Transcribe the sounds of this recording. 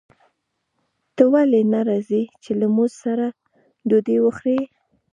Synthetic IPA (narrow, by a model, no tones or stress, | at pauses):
t̪əwalenaɾazit͡ʃelamuzsaɾa | d̪od̪ewəxɾe